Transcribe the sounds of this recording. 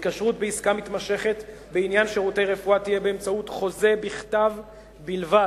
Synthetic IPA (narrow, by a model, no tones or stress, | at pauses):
itkaʃʁutbeiskamit̪maʃe̞χe̞t | beinjanʃeʁutejʁefuatijebeːmt͡sautχo̞ze̞biχtav | bilva